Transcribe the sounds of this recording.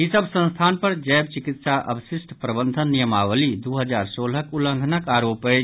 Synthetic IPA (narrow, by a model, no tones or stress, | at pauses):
ɦisəbsə̃nst̪ʰanpəɾd͡ʒəːbt͡ʃikit̪saʔə̰bsisʈpɾəbənd̪ʱənːijəmaʋəlid̪uɦəd͡ʒaɾsolɦəkulə̃ŋɡʱnəkaɾoːpe